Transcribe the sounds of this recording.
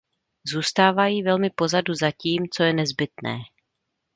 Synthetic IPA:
zuːst̪aːvajiːvɛlmɪpo̞zaduzaciːmt͡so̞jɛnɛzbɪt̪nɛ̰ː

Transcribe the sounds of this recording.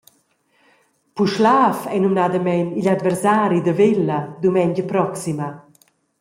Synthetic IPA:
puʃlaːfɛnumnad̪əmɛniʎad̪vɛɾsaːɾid̪əvelːɐd̪umɛɲd͡ʒəpɾɔksimə

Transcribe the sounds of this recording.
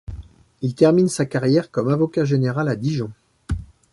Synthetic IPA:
ilt̪ɛʁminsakaʁjɛʁkɔmavɔkaʒeneʁalad̪iʒɔ̃

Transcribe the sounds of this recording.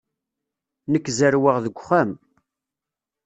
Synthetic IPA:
nəkːzəɾwəʁðəɡʷχæm

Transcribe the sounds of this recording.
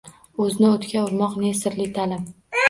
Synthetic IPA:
ɵzɪnɪot̪kʲaʊɾmɒqnesɪɾlɪt̪ʰalɪm

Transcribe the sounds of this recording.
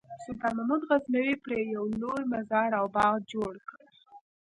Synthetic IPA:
sʊt̪ɑmamud̪ɣaznawepɾejawlojmazɑɾawbɑɣd͡ʒoɽkəɾ

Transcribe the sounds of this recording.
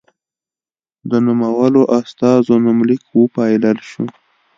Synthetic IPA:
d̪ənumawaloʔast̪ɑzonamlikwəpɑjləlʃu

